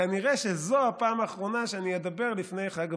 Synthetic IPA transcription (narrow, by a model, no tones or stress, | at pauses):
aniʁɛʃɛzoapaːmaːχʁonaʃɛanijɛd̪abeʁlifnejχaɡ